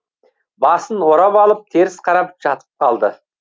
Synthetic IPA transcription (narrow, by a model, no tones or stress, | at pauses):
bɑsənwo̞ɾɑpɑlˠəp̚t̪ʰe̞ɾɪsqʰɑɾɑpʒɑt̪ə̥p̚qʰɑlˠd̪ə